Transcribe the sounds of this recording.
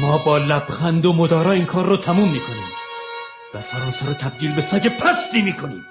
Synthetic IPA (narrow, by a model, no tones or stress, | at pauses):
mɒːbɒːlæb̥xænd̪omod̪ɒːɾɒːiːnkʰɒːɾːoːt̪ʰæmuːmːiːkʰo̞niːm | væsæɾɒːnsæɾoːt̪ʰæb̚d̪iːlbesæd͡ʒepʰæst̪iːmiːkʰonḭːm